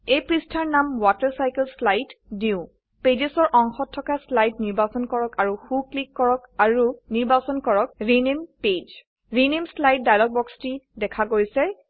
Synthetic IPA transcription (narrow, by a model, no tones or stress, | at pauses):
ejpɹistʰaɹnamwatɛɹsajkɛlslajtdiʊ̃ | ped͡ʒesɔɹʔɔŋxɔtʰːɔkaslajtniɹbasɔnkɔɹɔkaɹuxuklikːɔɹɔkaɹuniɹbasɔnkɔɹɔk̚ɹinemped͡ʒ | ɹinemslajt̚dajlɔɡ̚bɔkstidɛkʰaɡojsɛ